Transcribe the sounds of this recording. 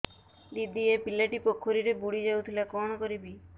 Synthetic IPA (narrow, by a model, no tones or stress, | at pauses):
d̪id̪iepilaʈipokʰoɾiɾebuɽid͡ʒawt̪ʰilakɔñɔkɔɾibi